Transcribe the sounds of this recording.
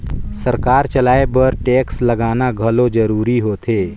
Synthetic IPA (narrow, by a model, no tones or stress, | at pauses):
səɾkaːɾt͡ʃəlaːebəɾʈeːksləɡaːnaɡʱəlod͡ʒəɾuːɾiɦot̪ʰeː